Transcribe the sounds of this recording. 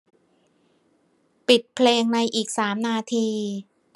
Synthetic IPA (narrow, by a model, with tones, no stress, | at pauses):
pi˨˩t̪̚pʰleː˧ŋna˧jʔiː˨˩k̚saː˩˦mnaː˧t̪ʰiː˧